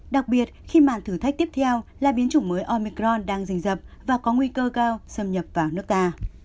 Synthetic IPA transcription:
ɗa˨˩k̚ɓi˨˩ət̚xi˧maː˨˩nt̪ʰɨ˧˩t̪ʰa˦˥k̚t̪i˦˥əp̚t̪ʰɛ˧wlaː˨˩ɓi˨˦ənt͡ɕu˧˩məː˨˦jʔɔ˧mi˧kɾɔ˧nɗaː˧ŋzï˧˩ŋ̟zə˨˩p̚vaː˨˩kɔ˨˦ŋwi˧kəː˧kaː˧wsə˧mɲə˨˩p̚vaː˨˩wnɨ˦˥ək̚t̪aː˧

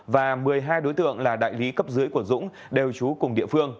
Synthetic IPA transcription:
vaː˨˩mɨ˨˩əjɦaː˧jɗo˨˦jt̪ɨ̰˧˨əŋlaː˨˩ɗa̰ː˧˨jli˨˦kə˦˥p̚zɨ˨˦əjku˧˩əzʊ̰˧˥ŋ͡m | ɗe˨˩wt͡ɕu˨˦kʊ˨˩ŋ͡mɗḭ˧˨əfɨ˧əŋ

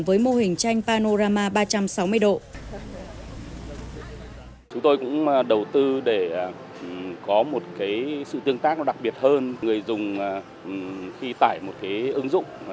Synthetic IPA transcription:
ŋvəː˨˦jmo˧ɦï˨˩ŋ̟t͡ɕa˧jŋ̟paː˧no˧zaː˧maː˧ɓaː˧t͡ɕa˧msa˨˦wmɨ˧əjɗo̰˧˨ | t͡ɕʊ˨˦ŋ͡mt̪o˧jkʊ̰˧˥ŋ͡mɗə˨˩wt̪ɨ˧ɗe˧˩˨ | kɔ˨˦mo˨˩t̚kaː˨˦jsɨ̰˧˨t̪ɨ˧əŋt̪aː˦˥k̚n˨˦ɗa˨˩k̚ɓi˨˩ət̚həː˧nŋɨ˨˩əjzʊ˨˩ŋ͡m | xi˧t̪aː˧˩jmo˨˩t̚kaː˨˦jʔɨ˨˦ŋzʊ̰˧˨ŋ͡m

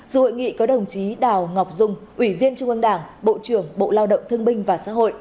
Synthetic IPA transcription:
zṵ˨˧˩ho̰˧˨jŋḭ˧˨kɔ˨˦ɗə˨˩wŋ͡mt͡ɕi˨˦ɗaː˨˩wŋɔ˨˩wk͡p̚zʊ˧ŋ͡mʔwi˧˩vi˧ənt͡ɕʊ˧ŋ͡mʔə˧ŋɗaː˧˩ŋɓo̰˧˨t͡ɕɨ˧˩əŋɓo̰˧˨laː˧wɗə̰˧˨wŋ͡mt̪ʰɨ˧əŋɓï˧ŋ̟vaː˨˩sa̰ː˧˥ɦo̰˧˨jʔ

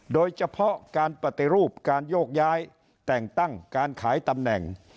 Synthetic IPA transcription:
doː˧jt͡ɕʰa˧pʰɔ˦˥kaː˧npɾa˨˩t̪i˧ɾuː˥˩p̚kaː˧njoː˥˩k̚jaː˦˥j | t̪ɛ˨˩ŋt̪a˥˩ŋkaː˧nkʰaː˩˦jt̪a˧mnɛ˨˩ŋ

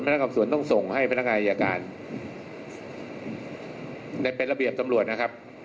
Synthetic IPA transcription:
npʰa˧n˦˥kːaː˧msu˩˦ənt̪ɔ˥˩ŋso˨˩ŋha˥˩jpʰa˧˥nːa˦˥ŋaː˧ʔa˧jaː˧kaː˧n | da˧jpe˧nɾla˧bi˨˩əp̚t̪a˧mɾu˨˩ət̪̚na˥kʰp̚

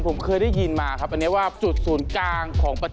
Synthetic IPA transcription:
ŋpʰo˩˦mkʰɤː˧jda˥˩ji˧nmaː˧kʰa˦˥p̚ʔnːi˦˥˩waː˥˩t͡ɕu˨˩t̪̚suː˩˦nklaː˧ŋkʰɔː˩˦ŋpa˧

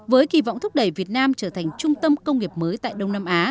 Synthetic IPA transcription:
vəː˨˦jki˧˩vɔ̰˧˨wŋ͡mt̪ʰk͡p̚ɗə˧˩jvi˨˩ət̚naː˧mt͡ɕəː˧˩t̪ʰa˨˩jŋ̟t͡ɕʊ˧ŋ͡mt̪ə˧mkə˧wŋ͡mŋi˨˩əp̚məː˨˦jt̪a̰ː˧˨jɗə˧wŋ͡mnaː˧mʔaː˨˦

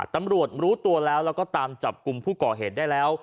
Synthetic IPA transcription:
t̪a˧mɾu˨˩ət̪̚ɾuː˦˥t̪u˧əlɛː˦˥wlɛː˦˥wkɔː˥˩t̪aː˧mt͡ɕa˨˩p̚ku˧mpʰuː˥˩kɔː˨˩ɦeː˨˩daː˥˩jlɛː˦˥w

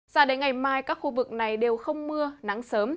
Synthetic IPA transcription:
zaː˧˩ɗe˨˦nŋa˨˩jmaː˧jkaː˦˥k̚xu˧vɨ˨˩k̚na˨˩jɗe˨˩wxə˧wŋ͡mmɨ˧əna˨˦ŋsəː˨˦m

